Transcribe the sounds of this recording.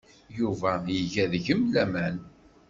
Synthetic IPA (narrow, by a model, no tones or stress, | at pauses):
juvæjəʝæðʝəmlæmæn